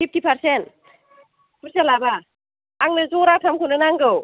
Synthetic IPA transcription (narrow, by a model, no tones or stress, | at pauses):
pʰip̚tipʰaɾsent | pʰɯɾsalaba | aŋnɯzɔŋɾatʰamkʰɯnɯnaŋɡɯw